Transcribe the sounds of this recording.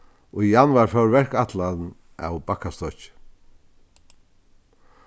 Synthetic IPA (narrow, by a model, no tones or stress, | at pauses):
ɔjanvaɾfœwɹvɛrkat̪lan | a̰wbakːast̪ɔt͡ʃɪ̥